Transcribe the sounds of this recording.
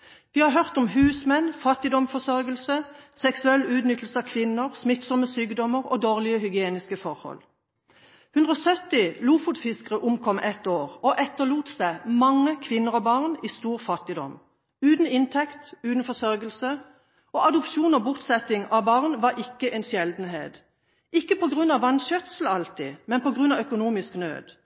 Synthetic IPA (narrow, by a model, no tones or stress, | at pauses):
ʋiːhɑɦœʁt̪ɔmɦʉːsmɛnfɑt̪ɪd̪ɔmfɔsœʁɡəlsəsɛksʉɛlːʉːd̪nʏt̪l̩səɑkʰʋɪnːəʁsmɪt̪sɔməsyːɡd̪ɔməʁo̰ːd̪oːʁlɪəhʏɡɪeːnɪskəfɔʁhɔ̰l | hʉnd̪ʁɔːsœt̪ɪluːfʊt̪fɪskəʁəʔʊmkʰɔmʔɛt̪oːʁoʔɛt̪ːəluːt̪sæɪmɑŋːəkʰʋɪnːəʁɔbɑʁniːst̪uːʁfɑt̪ɪd̪ɔ̰m | ʉːt̪n̩ɪnt̪ʰɛkt̪ʉːt̪n̩fɔsœɾɡəlsə | ɔʔɑd̪ʊpʃuːnɔbʊʁt̪sɛt̪ɪŋɑbɑʁnʋɑɾɪkːəʔɛnsjɛld̪n̩ɦḛːt̪ | ʔɪkːəpɔɡʁʉnːɑʋɑnɕœt̪sl̩ɑlt̪ɪ̰mɛnpɔɡʁʉnɑʋœkʊnuːmɪsknø̰ːd̪̥